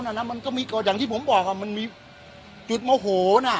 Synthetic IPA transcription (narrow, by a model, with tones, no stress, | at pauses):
naː˧˩na˦˥ma˧nkɔː˥˩miː˧kɔː˧˩jaː˨˩ŋt̪ʰiː˥˩pʰo˩˦mbɔː˨˩k̚ʔa˧˩ma˧nmiː˧ | t͡ɕu˨˩t̪̚mo˧˩ɦoː˨˩na˧˥˩